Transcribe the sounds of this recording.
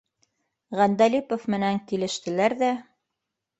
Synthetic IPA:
ʁænd̪ælʲipŏfmɘ̆næŋkilɘ̆ʃt̪ɘ̆læɾðæ

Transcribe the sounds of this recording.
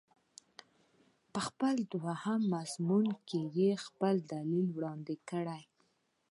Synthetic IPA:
pəxpəld̪wahamːazmunkejexpəld̪alilwɽɑnd̪ɪkəɽaj

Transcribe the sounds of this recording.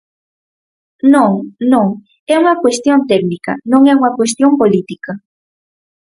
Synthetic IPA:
noŋnoŋ | ewakwest̪jont̪eknika̰noŋewakwes̬t̪jompolit̪ika

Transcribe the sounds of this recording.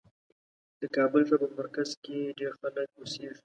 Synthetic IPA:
d̪̥əkɑbəlt̪apəmaɾkazkeɖeɾxalək̚ʊseʒi

